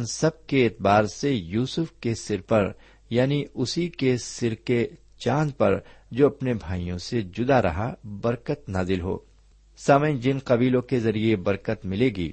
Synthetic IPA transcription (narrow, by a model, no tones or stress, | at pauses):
nsɐb̚keɪt̪baːɾsejuːsʊfkesɪɾpɐɾ | jaːniʊsikesɪɾke | t͡ʃãːnd̪pɐɾd͡ʒoːɐpnebʱaːijõsed͡ʒʊd̪aɾɐ̰ɦabɐɾkət̪naːzɪlɦo̰ː | saːməj̃d͡ʒɪnqɐbiːlõkezɐɾiebɐɾkət̪mɪleːɡḭː